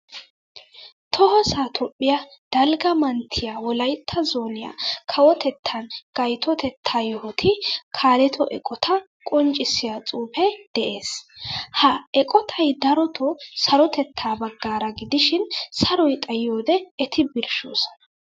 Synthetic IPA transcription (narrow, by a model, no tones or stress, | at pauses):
t̪ʰɔɦɔsaːt̪ʰɔpʼːɪjɐd̪̥ɐlɡɐmɐnt̪ʰɪjawɔlɐjt̪ʰːɐzoːnɪja̰kʰɐwɔt̪ʰɛt̪ʰːɐnɡ̥ɐjt̪ʰɔt̪ɛt̪ʰːaːjɔhɔt̪ʰɪkʰaːlɛt̪ʰɔʔɛ̰kʼɔt̪ʰɐ | kʼɔnt͡ʃʼːɪsːɪjat͡sʼuːfɛd̪̥ɛʔe̞ːshɐɛkʼɔt̪ʰɐjd̪ɐɾɔt̪ʰɔsɐɾɔt̪ɛt̪ʰːaːbɐɡːaːɾɐɡɪd̪ɪʃɪnsɐɾɔjt̪ʼɐjːoːd̪ɛːt̪ʰɪbɪɾʃo̰ːsɐ̥nɐ